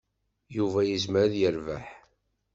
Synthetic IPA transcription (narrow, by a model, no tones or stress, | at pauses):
juvæjəzməɾðjəɾva̰ħ